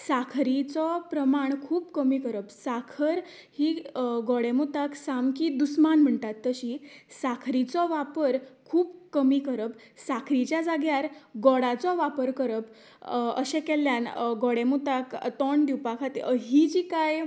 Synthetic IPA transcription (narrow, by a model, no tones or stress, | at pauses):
sakʰɾit͡sɔpɾəmaɳkʰuːpkəmikəɾəpsakʰəɾ | hiɡɔɽemut̪aksamkiːd̪usmanm̤əɳt̪at̪ːəɕisakʰɾit͡sɔʋapəɾkʰuːpkəmikəɾəp | sakʰɾit͡ɕjad͡zaɡjaɾɡɔɽat͡sɔʋapəɾkəɾəp | ə̰ɕẽkɛlːjanɡɔɽemut̪akt̪ɔɳd̪iwpakʰat̪eəɦid͡ʑiːkaj